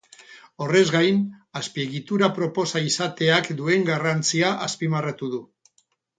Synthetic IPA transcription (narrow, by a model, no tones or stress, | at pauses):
o̞re̞zɡajnaspie̞ɣit̪uɾapɾo̞po̞saisat̪e̞akd̪ue̞ŋɡarant͡siaʔaspimarat̪uðu